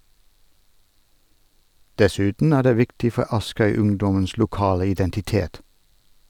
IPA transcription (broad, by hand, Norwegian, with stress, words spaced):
dɛˈsʉːtn̩ ˈæː ˈɖeː ˈʋɪktɪ ˈfɔ ˈɑskœʏˌʉŋdɔməns lʊˈkɑːlə ɪdɛntɪˈteːt